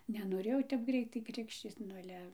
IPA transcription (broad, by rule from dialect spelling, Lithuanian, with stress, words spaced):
nʲɛnoːˈrʲeːjɛʊ tʲɛp ˈɡrʲɛɪtɐɪ ˈkrʲɪkʃʲt͡ʃʲiːt͡s nʊ ɐˈlʲɛ